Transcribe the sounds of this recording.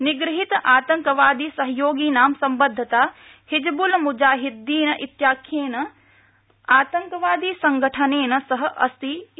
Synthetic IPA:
nɪɡɾɪɦit̪ʔaːt̪ɐŋkɐʋaːd̪iːsɐɦɐjoːɡiːnaːmsɐmbɐd̪ʱːɐt̪aː | hɪd͡ʒbʊlmud͡ʒaːɦɪd̪ːiːnɐʔit̪jaːkʰjeːnɐ | aːt̪ɐŋkɐʋaːd̪iːsɐŋɡʱəʈʰɐneːnɐsɐɦɐ̆ʔɐ̰st̪i

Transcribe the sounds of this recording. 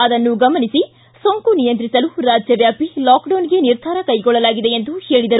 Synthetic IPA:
ɐd̪ɐnːuɡɐmɐnisi | soŋkunijɐnt̪ɾisɐluɾaːd͡ʒjɐʋjaːpilaːkɖɐːnɡe̞niɾd̪ʱaːɾɐkɐjɡɔɭːɐlaːɡid̪e̞end̪uhe̞ːɭid̪ɐɾu

